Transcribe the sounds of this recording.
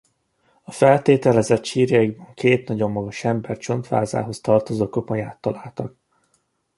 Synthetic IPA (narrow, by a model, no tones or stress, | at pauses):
ɒfɛlt̪eːt̪ɛlɛzɛt̪ʃiːrjɒiɡbɒŋkeːt̪nɒɟo̞mːɒɡɒʃɛmbɛrt͡ʃo̞nt̪fa̰ːza̰ːɦo̞st̪ɒrt̪o̞zoːko̞po̞ɲaːt̪ːɒlaːlt̪ɒk